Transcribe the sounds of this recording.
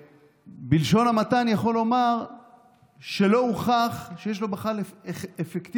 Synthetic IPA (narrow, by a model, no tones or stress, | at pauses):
bilʃo̞namat̪anjaχo̞lo̞maʁ | ʃe̞lo̞uχaχʃejeʃ̬lo̞beχaleefekt̪i